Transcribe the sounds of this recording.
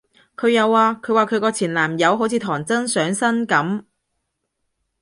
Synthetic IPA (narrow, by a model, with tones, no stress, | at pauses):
kʰɵ˨˧ɥjɐ˨˧wːaː˨˧kʰɵ˨˧ɥwaː˨kʰɵ˨˧ɥkɔː˧t͡sʰiː˨˩nlaː˨˩mjɐ˨˧wɦo˨˥wt͡sʰiː˨˧t̪ʰɔː˨˩ŋt͡sɐ˥nsœː˨˥ŋsɐ˥nkɐ˨˥m